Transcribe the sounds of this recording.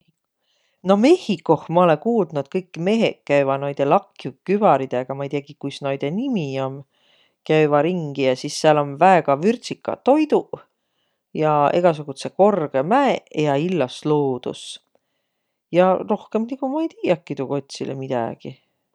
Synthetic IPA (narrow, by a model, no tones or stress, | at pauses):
no̞me̞hikːˑo̞hmɑo̞lekuːld̪nut̪̚kɤjkːˑme̞ɦḛkːæjvɑnojd̪̥e̞lɑkːˑjukyv̥ɑɾid̪̥eɡ̥ɑmɑejt̪iɑkikujsnojd̪̥e̞nimiom | kæjvɑɾiŋɡ̥ijɑsisːeɑlo̞nvæeɡ̥ɑvyrt̪ʲsikːˑɑ̰t̪o̞jd̪u | jɑe̞̰ɡ̥ɑs̬uɡ̥ut̪seko̞rɡ̥e̞mæejɑilːɑsloːd̪̥ṵs | jɑro̞hkemniɡ̥umɑejt̪iːjɑkːid̪uko̞t̪ʲsilḛmid̪̥æ̰ɡ̥i